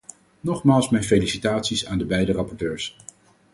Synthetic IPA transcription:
nɔχmaːlˠsmɛjnfejlisitaːtsisaːndəbɛjdərɑpɔɹtøːɹs

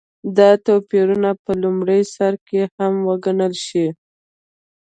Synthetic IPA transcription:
d̪ɑt̪opiɾunapəlumɽəjsaɾkehamwaɡanəlʃi

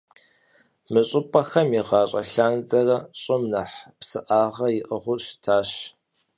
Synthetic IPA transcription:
mɨɕʼɪpʼɐxɐmiʁɑːɕʼɐ̰ɬaːnzʼɐrɐɕʼɪmnɐħpsɨʔaːʁɐjɪʔəʁʷʊɕtʰaːɕ

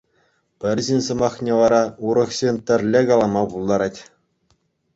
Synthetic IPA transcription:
pʲɘ̆rʲʑɘnʲsɤ̆mɑχnʲeʋɑɾɑuɾɤ̆χɕenʲt̪ʲɘ̆rʲlʲekɑlˠɑmɑpulˠd̪ɑɾɑtʲ

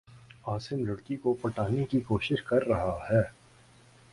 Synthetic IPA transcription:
aːsɪmɾʊɽkikopɐʈaːnekikoːʃɪʃkɐɾːɐɦahɛː

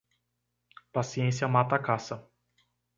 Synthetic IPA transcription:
pasiẽsiɐmat̪akasɐ

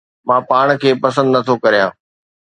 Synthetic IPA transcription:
mãːpaːɽ̃kʰeːpɐsə̃nd̪nɐt̪ʰokɐɾijãː

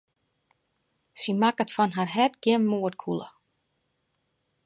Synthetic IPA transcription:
simakətfɔnɦarɦɛdɡ̥jɪmːuətkʰulˠə̰

